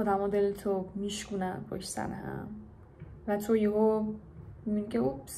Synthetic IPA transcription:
ɔːd̪æmɔd̪elt̪ʰomiʃkunænbɔ̰ʃsæ̰nhæ̰m | væt̪ʰojiɦo | mibinkʲʰeubs

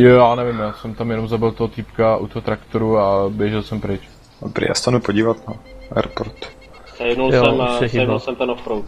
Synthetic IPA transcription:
joaːnɛvɪmjaːsɛmt̪amjɛnomzabɪlt̪oɦot̪iːpkaʔṵt̪oɦot̪ɾakt̪oɾuabjɛʒɛlsɛmpɾɪt͡ʃ | abɾɪ̰ja̰ːsɛt̪anupoɟiːvat̪naɛ̰ɾpoɾt̪ | zjɛnuljsoɛmɛɪjɛnulˠsɛmt̪ɛnofpɾowt̪

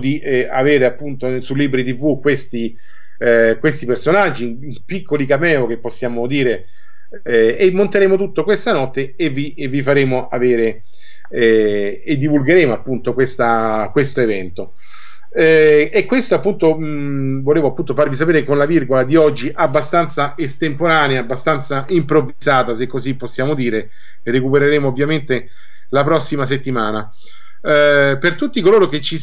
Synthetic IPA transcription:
d̪iaveːɾeapːunt̪osulːiːbɾit̪̬ivːukwest̪i | kwest̪ipersonad͡ʒːi | pikːolikamɛːok̟epːosːjaːmod̪iːɾe | emːont̪eɾeːmot̪̬ut̪ːokwest̪anɔt̪ːe | evi | vːifaɾeːmoʔaveːɾe | ed̪ːivulɡeɾeːmoapːunt̪okwest̪akwest̪oevɛnt̪o | ɛekːwest̪oapːunt̪o | voleːvoapːunt̪ofarvis̬apeːɾekonlavirɡolad̪iɔd͡ʒːiʔabːast̪ant̪saest̪empoɾaːneaabːast̪ant̪saimpɾovːizaːt̪asekːosipːosːjaːmod̪iːɾe | rekupeɾeɾeːmoːvːjament̪e | lap̬ɾɔsːimas̬et̪ːimaːna | pert̪ut̪ːikoloːɾok̟et͡ʃːi

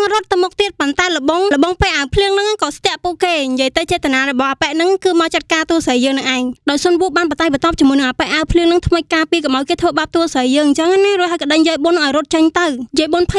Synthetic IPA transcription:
ŋrŏət̪ːɨwmʊk̚t̪iət̪̚pont̪aɛlə̆ɓoŋlə̆ɓɑŋpeəʔawpʰliəŋnɨŋkɑːst̪ɛ̆əʔpuəʔkeːɲjiəjt̪ɨwt͡ɕɛət̪anaːrɔɓɑhʔːpɛʔnɨŋkɨːmat͡ɕət̪̚kaːt̪uəsəjjəːŋnɨŋʔaɛŋɗaɔjsonʋuəʔɓaːnpɑt̪aːj̚ɓət̪ŏp̚t͡ɕəmuəjnɨŋʔaːpɛʔawpʰliəŋnɨŋt̪ʰməc̚kaːpiəkɑmʔaɔjkeːt̪ʰʋəːɓaːp̚t̪uəsəjjəːŋɲt͡ɕəŋʔanaruəj̚ɦaəjkəɗəɲjəəjɓoənʔaɔjɾŏət̪̚t͡ɕəɲt̪ɨwjəjɓonpʰə

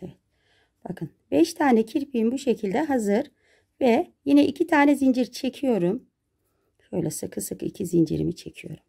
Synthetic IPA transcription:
evɛt̪ | b̥akʰɯnbɛʃt̪ʰaːnɛcʰiɾpʰiimbuʃe̞cʰilʲd̪ɛɦazɯɾ̥ | vɛjinɛʔicʰit̪ʰaːnɛzind͡ʒiɾt͡ʃʰe̞cʰijo̞ɾum | ʃø̞jlʲɛsɯkʰɯsɯkḭcʰizind͡ʒḭɾḭmit͡ʃʰecʰijo̞̰ɾum

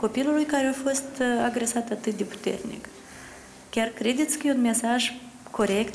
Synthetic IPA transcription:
ko̞pilulujkaɾeafo̞st̪aɡɾe̞sat̪at̪ɨt̪̚d̪e̞pu̥t̪e̞̰rnḭk | kʲarkɾe̞d̪e̞t̪sʲkəjeunme̞saʒ | kʰo̞ɾe̞kt̪

